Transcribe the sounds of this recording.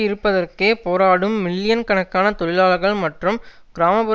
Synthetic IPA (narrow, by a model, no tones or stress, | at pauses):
ɪɾɯpːɐðɐrkeːpoːɾaːɽɯmːɪlːɪjɐnkɐɳɐkːaːnɐt̪ɔɻɪlaːɭɣɐɭmɐʈrɯm | ɡ̥ɪɾaːmɐbʊ